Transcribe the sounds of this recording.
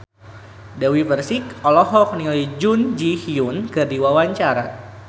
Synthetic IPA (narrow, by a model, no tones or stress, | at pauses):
dawifərsikɔlɔɦɔk̚niid͡ʒund͡ʒihiunkɨrdiwawaɲt͡ʃaɾa